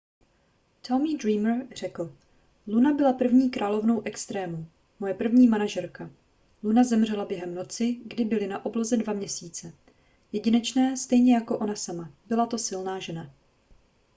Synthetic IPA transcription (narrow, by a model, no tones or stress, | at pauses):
t̪ʰomidɾiːmrr̝̥ɛkl̩ | lunabɪlapr̩vɲiːkɾʔaːlo̞vno̞wʔɛkst̪ɾɛːmu | mo̞jɛpr̩vɲiːmanaʒɛɾka | lunazɛmr̝ɛlabjɛɦɛmno̞t͡sɪɡdɪbɪlɪnaʔo̞blo̞zɛdvamɲɛsiːt͡sɛ | jɛɟɪnɛt͡ʃnɛːst̪ɛjɲɛjako̞ʔo̞nasamabɪlat̪o̞sɪlnaːʒɛna